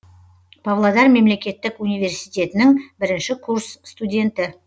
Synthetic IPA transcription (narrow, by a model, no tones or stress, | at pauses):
pʰavlˠad̪ɑɾme̞mle̞kʲe̞t̪ːɪkunijvʲe̞ɾsijt̪ʲe̞t̪ɪnɪŋbɪɾɪnʃɪkʰurssːt̪udʲe̞nt̪ɪ